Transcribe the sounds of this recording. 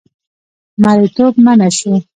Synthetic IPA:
maɾit̪obmanaʃu

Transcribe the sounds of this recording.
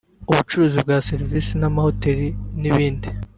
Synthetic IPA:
uβut͡ʃuɾuːzib̚ɡaːseɾivisinamahoteɾiniβiːndi

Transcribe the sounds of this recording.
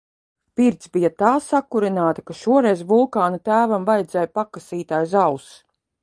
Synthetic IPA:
piɾt̪sbijat̪aːsakːuɾinaːt̪ɐkaʃuɔɾɛjzvulˠkaːnat̪æːvamvajd̪zɛːjpakasiːt̪aːjzaws

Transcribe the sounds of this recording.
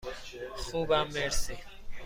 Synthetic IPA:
xuːbãːmeːɾseː

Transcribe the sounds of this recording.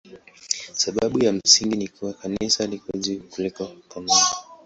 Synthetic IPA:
saɓaɓujam̩siŋɡinikuwakanisalikɔzikulɛkakama

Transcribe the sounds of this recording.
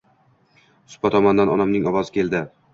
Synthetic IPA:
sʊ̥pat̪ʰɒmɒnd̪anɒnamnɪŋɒwɒzɪkʲʰe̞lˠd̪ɪ

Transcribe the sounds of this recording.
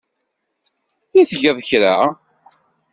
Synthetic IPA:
iθəʝəðˤçɾa

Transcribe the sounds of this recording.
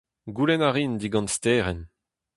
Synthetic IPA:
ɡulɛnaʁind̪iɡɑ̃nst̪ɛːʁɛn

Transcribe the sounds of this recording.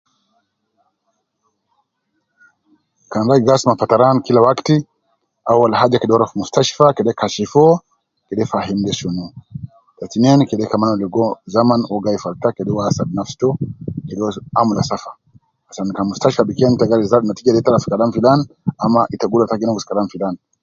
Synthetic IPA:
kanɾaiɡasmapataɾankilawakti | awalɦad͡ʒakɛɗɔɾafmustaʃfakɛɗɛkaʃifɔ | kɛɗɛfaɦindɛʃunu | tatinɛnkɛɗɛkamanɔlɛɡɔzamanɔɡaifaltakɛɗɛwasadnafstɔkɛɗɔamulasafḁ | asankamustaʃfabikɛntaɡaɾizanatiɡaɗɛtalasi̥kalamfilanamaʔitaɡulatakɛnaɡuskalanfilan

